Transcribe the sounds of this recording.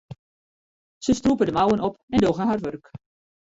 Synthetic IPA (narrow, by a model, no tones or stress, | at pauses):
səstrupədəmawənɔpɛndoɣəɦarʋørk